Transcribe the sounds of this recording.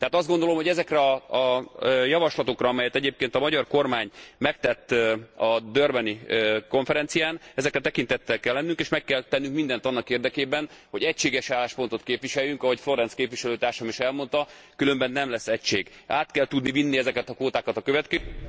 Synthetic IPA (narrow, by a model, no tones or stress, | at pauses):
t̪ɛɦaːt̪ɒzd̪ɡond̪o̞lo̞mɦo̞ɟɛzɛkrɛɒː | jɒvɒʃlɒt̪o̞krɒɒmɛjɛt̪ɛɟeːp̚keːnt̪ɒmɒɟɒrko̞rmaːɲmɛkt̪ɛt̪ːɒd̪ørbɛniko̞ɱfɛɾɛnt̪sijaːnɛzɛkrɛt̪ɛkint̪ɛt̪ːɛlkɛlːɛnːyŋkeːʃmɛkːɛlt̪ɛnːyŋkmind̪ɛnt̪ɒnːɒkeːrd̪ɛkeːbɛnho̞ɟɛcʃeːɡɛʃaːlaːʃpo̞n̪t̪o̞t̪keːpviʃɛjːyŋkɒɦo̞cflo̞ɾɛnskeːpvʋiʃɛløːt̪aːrʃɒmiʃɛlmo̞nt̪ɒ | kylø̞mbɛnːɛmlɛsːɛcʃeːɡaːt̪kɛlt̪ud̪nivinːiɛzɛkɛt̪ɒkʋoːt̪aːkɒt̪ɒkøvɛt̪kɛ